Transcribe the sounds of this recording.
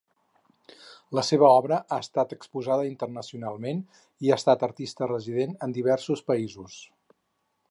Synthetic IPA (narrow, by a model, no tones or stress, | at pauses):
ləseβ̞əɔβɾəʔaəst̪at̪əkspuzaðəint̪ərnəsiunalˠmen | iaəst̪at̪ərt̪ist̪ərəziðenənd̪iβɛrsuspəizus